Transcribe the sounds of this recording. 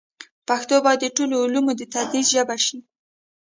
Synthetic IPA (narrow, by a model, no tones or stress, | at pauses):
paxt̪obɑjd̪dəʈoloːlumod̪ət̪ad̪ɾizʒabaʃi